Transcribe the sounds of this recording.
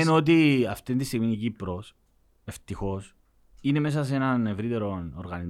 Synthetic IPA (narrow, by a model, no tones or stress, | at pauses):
enot̪̬iɐft̪ind̪ist̪iɣminicipɾos | e̞ft̪ixo̞s | ine̞me̞s̬ɐs̬enɐne̞vɾit̪e̞ɾo̞noɾɣɐniz